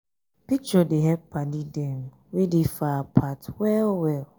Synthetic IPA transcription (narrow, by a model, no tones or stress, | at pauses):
pit͡ʃɔdeɦɛpʰːanĩdɛ̃m | widifapʰatwɛlwɛl